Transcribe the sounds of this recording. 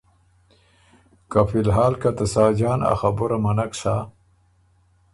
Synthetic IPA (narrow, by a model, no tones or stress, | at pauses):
kafilɦaːlkat̪asaːd͡ʑaːna̰xabuɾamɐnakʂa